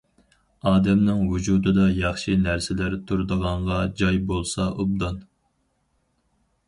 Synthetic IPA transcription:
ɑːd̪ɛmnɪŋwud͡ʒud̪ɨd̪ɑjɑχʃinæɾsɪlæɾt̪ʰuɾd̪əʁɑɴʁɑd͡ʒɑjbolˠsɑʔub̚d̪ɑn

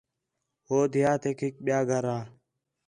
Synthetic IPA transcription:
ɦoːd̪ʱɪjaːt̪ʰekʰik̚ɓjaːɡʱəɾãː

